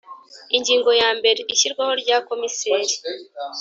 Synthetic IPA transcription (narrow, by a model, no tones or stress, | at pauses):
iɲɟiːŋɡo̞jaːmbe̞ɾe̞ʔiʃiɾɡwaho̞ɾɟaːko̞miseːɾi